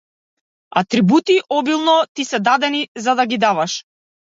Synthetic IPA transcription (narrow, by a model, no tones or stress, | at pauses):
a̰t̪ɾibut̪iʔɔbilˠnɔt̪isɛd̪ad̪ɛnizad̪aɡid̪avaʃ